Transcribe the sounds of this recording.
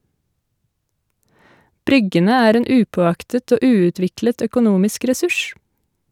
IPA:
ˈbɾʏɡənə ˈæːɾ ˈeːn ˈʔʉːpoːˌɑktət ˈoː ˈʔʉːʉˌtʋɪklət œkʊˈnuːmɪsk ɾɛˈsʉʃ

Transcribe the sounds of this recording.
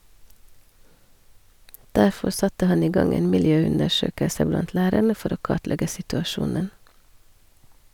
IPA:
ˈdæɾfɔɾ ˈsɑtə ˈhɑn ˈiː ˈɡɑŋ ˈeːn mɪlˈjøːˌʉndəˌʃøːkəsə ˈblɑnt ˈlæːɾæɳə ˈfɔɾ ˈoː ˈkɑtˌlɛɡə sɪtʉɑˈʃuːnən

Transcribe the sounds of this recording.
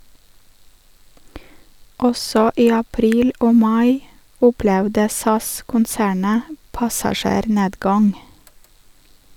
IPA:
ˈɔsɔ ˈiː ɑˈpɾiːl ˈoː ˈmɑɪ ˈʊplɛʋdə ˈsɑskʊnˌsæːɳə pɑsɑˈʃeːɾˌneːdɡɑŋ

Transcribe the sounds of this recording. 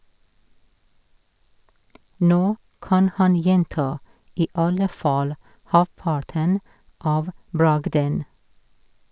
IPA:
ˈnoː ˈkɑn ˈhɑn ˈjɛntɑ ˈiː ˈɑlə ˈfɑːl ˈhɑpɑʈən ˈɑːʋ ˈbɹɑɡdən

